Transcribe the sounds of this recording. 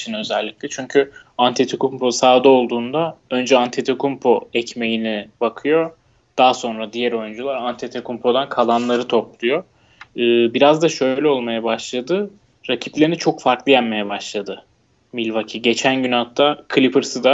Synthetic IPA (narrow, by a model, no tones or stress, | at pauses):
t͡ʃʰinø̞zɛlʲːicʲlʲɛt͡ʃʰyɲcʰy | ant̪ʰet̪ʰokumpʰosaːd̪ao̞lˠd̪uːnd̪aø̞nd͡ʒɛant̪ʰet̪ʰekumpʰo̞ɛcme̞jinɛbakʰɯjo̞ | d̪̥aːso̞nɾad̪ijæɾo̞jynd͡ʒulˠaɾant̪ʰet̪ʰekʰumpʰo̞d̪ankʰalˠanlˠaɾɯt̪ʰo̞p̚lˠujo̞ | ɯːbiɾazd̪aʃø̞jjlʲɛo̞lˠmajabaʃlˠad̪ɯ | ɾacʰi̥plʲeinit͡ʃʰo̞kfaɾklˠɯjænme̞jɛbaʃlˠad̪ɯ | milʲvacʰiɟe̞t͡ʃʰænɟynat̪ʰːakʰɯlʲipɯɾsɯd̪a